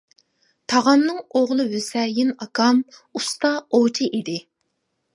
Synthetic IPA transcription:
t̪ʰɑʁɑmnɨŋoʁlˠɨwøsɛjɪnɑkʰɑmust̪ɑot͡ʃʰiʔid̪ɪ

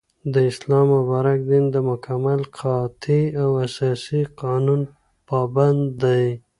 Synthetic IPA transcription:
d̪əɪslɑmːʊbɑɾakd̪ind̪əmʊkʰamalqʰɑt̪ʰiawasɑsiqɑnun | pɑband̪ːaj

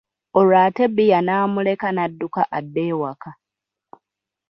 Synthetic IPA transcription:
olaːte̞bijanaːmule̞kanadːukaʔadːe̞ːwaka

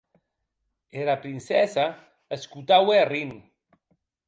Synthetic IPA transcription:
eɾapɾinsɛsa | eskut̪awerin

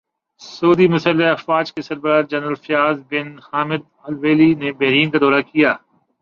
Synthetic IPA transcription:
souːd̪imʊsəlːeɐfwaːd͡ʒkesɐɾbəɾaːɾd͡ʒɐnɾəlfɪjaːzbɪnhaːmɪd̪̚ | ɐlʋeːlinebɛɦɾiːnkad̪ɔːɾakijaː

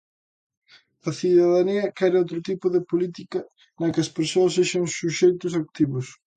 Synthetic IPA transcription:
ɐθiðɐðaniɐkɛɾɪowt̪ɾʊt̪ipʊðɪpolit̪ikɐ | nɐkɪɐspeɾsoɐsːeʃɐŋsuʃejt̪ʊs̬ak̚t̪iβʊs

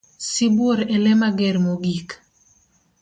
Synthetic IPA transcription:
siboɾɛlɛmaɡɛɾmoɡik

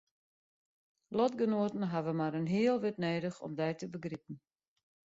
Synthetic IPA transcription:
lɔtɡənoətn̩ɦavəmaɾənɦiəlˠʋɪtneːdəxɔ̰mdɛjtəbəɡripən̩

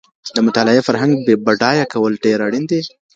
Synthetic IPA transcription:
d̪əmʊt̪alɪefaɾɦaŋɡ̚bebaɖɑjakʰawəlɖeɾaɽind̪e

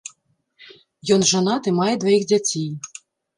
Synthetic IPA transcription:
jɔnʐanɑt̪ɨmɑjɛd̪vɔjixd͡zʲat͡sʲej

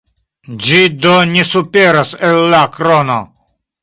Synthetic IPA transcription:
d͡ʒid̪onʲesupeɾaselːakɾono̰

